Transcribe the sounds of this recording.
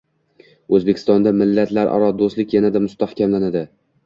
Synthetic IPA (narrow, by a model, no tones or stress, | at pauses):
ɵzbe̞kʲʰɪ̥st̪ɒnd̪amɪlːat̪laɾʔɒ̰ɾɒd̪oslɪkʲjanad̪amʊst̪ahkʲʰamlanad̪ɪ